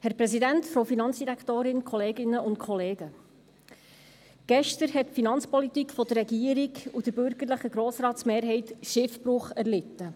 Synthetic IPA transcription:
hɛɾpɾɛsidæntfɾowfinɑnt͡sd̥iɾækʰt̪oːɾɪnkʰɔleːɡɪnːəʔʊntkʰɔleːɡ̥ə | ɡ̥ɛʃtəɾhɛtfinɑnt͡spɔlit̪iːkfɔd̥ərɛɡiːəɾiɡud̥əɾbʏɾɡəɾləχəɡɾoːsɾɑːtsmeːɾɦɛɪtʃɪfbɾʊχæɾlɪtːə

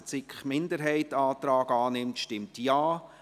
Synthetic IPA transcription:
t͡sɪkχmɪndəɾɦɛɪtɑːt̪ɾɑːɡɑːnɪmtʃtɪmtjaː

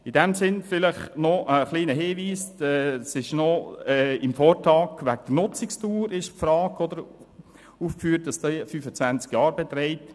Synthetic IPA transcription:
ɪdɛmsɪnfɪləχnɔʔəχliːnəɦiːʋiːsɛsɪʃnɔɛɪmfɔːɾtɑːkʋæk̚d̪̥ənʊt͡sɪkstuːɾɪʃpfɾɑːkɔd̪əɾ | uːfkfyːɾt̚d̥ɑsd̥ɛfyːfət͡sʋænt͡skjɑːɾbɛt̪ɾɛɪt

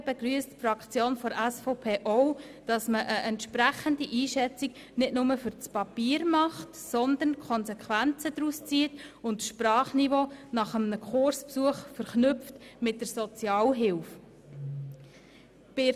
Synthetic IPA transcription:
b̥ɛɡɾyəstfrɑkt͡sjoːnfɔɾæsfoʊpʰeːʔoʊ | d̥ɑsməʔəʔɛntʃpɾæχəndiʔiːʃɛt͡sik | nɪtnʊməfʏɾt͡spɑpiːɾmɑχtsɔnd̪ənkʰɔnsɛkχʋænt͡səd̥̪ɾust͡siːətʊntʃprɑːχnivoːnɑχəmnəkχʊrspsuəχfəɾχnʏpftmɪt̚d̥əɾsɔt͡sjɑːlɦɪlf | b̥ɪ

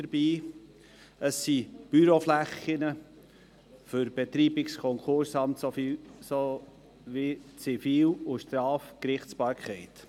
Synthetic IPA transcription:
əɾb̥iː | əsːib̥yɾoflæχɪnə | fʏɾb̥et̪ɾiːbɪkskʰɔŋkʰʊɾsɑmt̪soso | ʋit͡sifiːlʊʃt̪ɾɑːfkɾɪχtt͡sb̥ɑːɾkʰχɛɪt̪

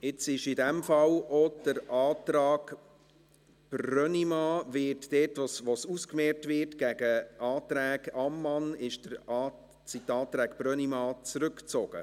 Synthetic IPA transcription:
ɪt͡sɪʃidɛmfɑlod̥əɾɑːt̪ɾɑːɡ | b̥ɾrœnimɑːvɪtd̥ɛːtʋosʋosuskmɛːɾtvɪːtɡ̥æɡ̥əɑːt̪ɾæːɡɑmːɑnɪʃd̥əɾɑ | sitːɑːt̪ɾæːkb̥rœnimɑːt͡sɾʉkt͡sɔɡ̥ə̰

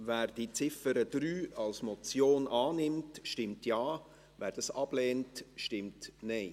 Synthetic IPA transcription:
væːɾd̥it͡sɪfəɾəd̥ɾyːɑlsmɔt͡sjoːnʔɑːnɪmtʃtɪmtjɑː | væːɾd̥ɑsɑb̥lɛːntʃtɪmtneɪ

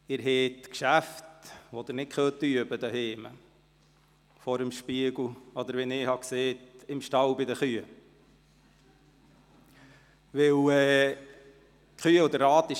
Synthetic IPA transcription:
ɪɾɦɛːt̪kʃæftʋod̪ɪɾnɪt̚kʰχœːt̪yəbəd̪əɦeːmə | fɔɾəmʃpiəɡl̩ɔd̪əɾʋɛnɪːhɑkseːtɪmʃtɑwbɪd̪əχyə | ʋɪwɛː | χyəʊd̪əɾɑːt̪ɪʃ

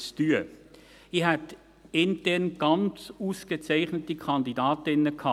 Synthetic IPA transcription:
styə | ihɛt̪ | ɪntɛɾnɡ̥ɑnt͡suːsɡ̥ət͡sæɪχnətikʰɑndidɑːtɪnəkʰɑː

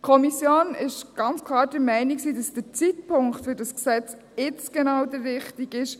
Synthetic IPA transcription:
kʰɔmisjoːnɪʃɡ̥ɑnt͡skʰlɑːɾd̥əɾmɛɪniksiːdɑsd̥ət͡sit̚pʊŋktfʏɾdɑsksɛt͡s | ɪt͡sɡ̥ɛnɑwdəɾːɪχtiɡɪʃ

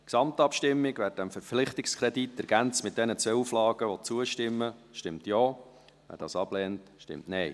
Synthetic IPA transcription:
ksɑmtɑpʃtɪmːɪɡʋæːɾt̚d̥æmfəɾflɪχtɪkskʰɾɛditːɛɾɡ̥ænt͡smɪtd̥ɛnət͡sʋeuflɑːɡəʋɔt͡suəʃtɪmːəʃtɪmtjoː | ʋæ̰ːɾd̥ɑ̰ːsɑb̥lɛːntʃtɪ̰mtnɛɪ

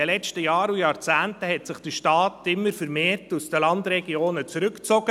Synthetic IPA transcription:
əlɛstəjɑːɾujɑːɾt͡sæːntəɦɛtsɪχd̥əʃtɑːtɪmːəɾfəɾmeːrtusd̥əlɑndɾɛɡ̥ioːnət͡sɾʏkt͡sɔɡ̥ə

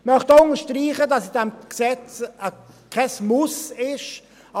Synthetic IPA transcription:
mœχtʊnəʃtɾiːχədɑsɪdɛmksɛt͡sə | kʰɛsmusɪʃ

